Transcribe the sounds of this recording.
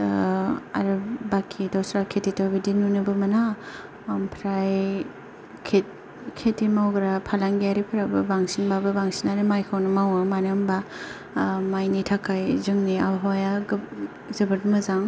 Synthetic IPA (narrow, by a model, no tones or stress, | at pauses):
a̰ɾɯbakʰidɔsɾakʰetitobidinunɯbɯmɐna | mpʰɾaj | kʰet̚ | kʰetːimawɡɾapʰalaŋɡiaɾipʰɾabɯbaŋsinbabɯbaŋsinaɾimajkʰawnɯmawamanɯmba | majnitʰakʰajzɯŋniaɦɔjaɡ | zɯbɯtmɯzaŋ